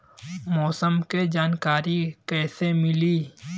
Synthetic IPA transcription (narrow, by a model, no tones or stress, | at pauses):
mɔːsəmked͡ʒaːnkaːɾikɛːsemɪliː